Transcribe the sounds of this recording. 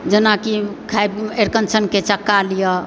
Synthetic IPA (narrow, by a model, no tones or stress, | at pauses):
d͡ʒənakikʰajbeɾkənt͡ʃʰənket͡ʃəkːalijɔ